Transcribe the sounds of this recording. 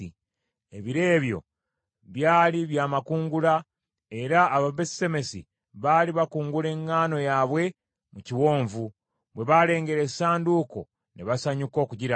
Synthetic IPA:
i | e̞βiɾe̞ːβjo̞̰ | βjaːliβjaːmakuːŋɡula | e̞ɾaːβaβesse̞me̞sḭ | βaːliβakuːŋɡule̞ŋːaːno̞jaːβwe̞ | muciwo̞ːɱvu | βwe̞βale̞ːŋɡe̞ɾesaːnduko̞̰ | neβasaɲuko̞ːkuɟiɾa

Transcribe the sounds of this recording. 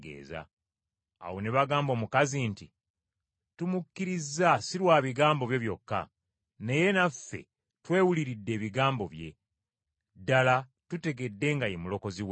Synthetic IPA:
ɡḛːza̰ː | wo̞neβaɡaːmbo̞ːmukazinti | tumukːiɾizːasiɾwaːβiɡaːmbo̞βje̞βjo̞kːa̰ | ne̞je̞nafe̞̰ | twe̞ːwuliɾidːeːβiɡaːmbo̞βje̞̰ | dala | tute̞ɡe̞dːe̞ŋɡajemulo̞ko̞ziw

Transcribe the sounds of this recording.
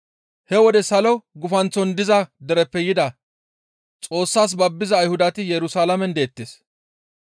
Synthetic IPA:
hɛwɔd̪ɛsɐlɔɡʊfɐnt͡sːɔnd̪ɪzɐd̪ɛɾɛpːɛjɪd̪ɐ | t͡sʼo̞ːsːaːs̬bɐbːɪzɐːjhʊd̪ɐt̪ɪjɛɾʊsaːlɐmɛnd̪eːt̪ːeːs

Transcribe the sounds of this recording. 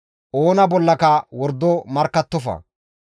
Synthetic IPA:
ʔoːnɐbɔlːɐkɐwɔɾd̪ːɔmɐɾkːɐt̪ːɔfɐ̰

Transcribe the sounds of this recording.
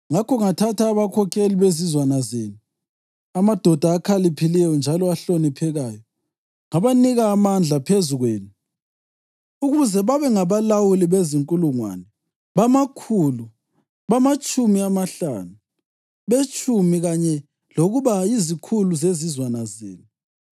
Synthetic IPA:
ŋakʰɔŋatʰatʰaːβakʰɔkʰeliβezizwanazeːnu | amad̥ʱɔd̥ʱaːkʰalipʰilɛjɔnd͡ʒʱalɔaɬonipʰɛɣaːjɔ | ŋaβaniɣaːmand͡ɮʱapʰezuɣweːni | uɣuzɛβaβɛŋaβalawuliβeziŋkʼuluŋwa̰nɛ | βamakʰulu | βamat͡ʃʼumiamaɬa̰nu | βet͡ʃʼumiɣaɲɛ | loɣuβaizikʰuluzezizwanazḛːnu

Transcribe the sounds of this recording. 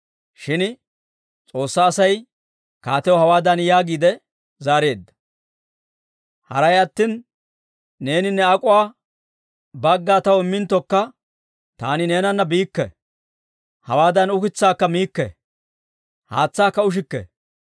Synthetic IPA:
ʃɪn | t͡sʼo̞ːsːaːsɐj | kaːt̪ɛwɔhɐwaːd̪ɐnjaːɡiːd̪ɛ | zaːɾe̞ːd̪ːɐ̥ | hɐ̰ɾɐjɐt̪ːinː | e̞ːnɪnːɛɐkʼʊwaː | bɐɡːaːt̪ɐwɪmːɪnt̪ːɔkːɐ | t̪aːnɪne̞ːnɐnːɐbiːkːɛ̰ | hɐ̰waːd̪ɐnʊkɪt͡sːaːkːɐmiːkːɛ̰ | ha̰ːt͡sːaːkːɐʊʃ̬ɪkːɛ̰

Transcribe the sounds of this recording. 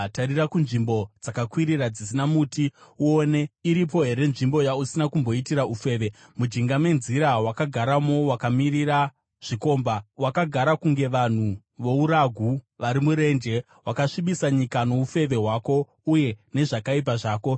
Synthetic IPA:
taɾirakunʐimbo̞d͡zakakwiɾirad͡zis̬inamutiuone̞iɾip̬o̞ɦe̞ɾe̞nʐimbo̞jausinakumbo̞itiɾaufe̞ːʋe̞ | mud͡ʒiŋɡamwe̞nziɾawakaɡʱaɾamo̞wakamiɾiɾa | ʐ̥iko̞ːmbawakaɡʱaɾakuŋɡe̞ʋan̤u | ʋo̞uɾaɡʱuʋaɾimuɾe̞nd͡ʒe̞ | wakaʂiɓisaɲikano̞ufe̞ʋe̞ɦwaːko̞ | uje̞ne̞ʐakaip̬aʐaːko̞

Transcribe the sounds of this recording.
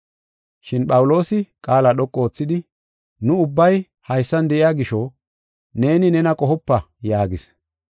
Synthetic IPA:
ʃɪnɓʼɐwʊlo̞ːsɪkʼaːlaɗɔkʼːo̞ːt͡sːɪd̪ɪ | nʊʊbːɐj | hɐjsːɐnd̪ɛʔɪjaːɡɪʃɔ | ne̞ːnɪnɛnɐkʼɔɦɔpːɐ | jaːɡɪs

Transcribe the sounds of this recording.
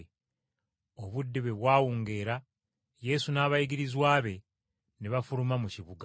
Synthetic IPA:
o̞βudːiβeβwaːwuːŋɡe̞ːɾa | je̞sunaːβajiɡiɾizwaːβe̞ | neβafuɾumamuciβuɡa

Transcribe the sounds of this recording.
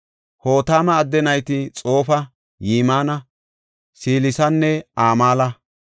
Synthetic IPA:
hoːt̪aːmɐːd̪ːɛnɐjt̪ɪt͡sʼo̞ːfɐ | jiːmaːnɐ | siːlɪsɐnːɛaːmaːlɐ

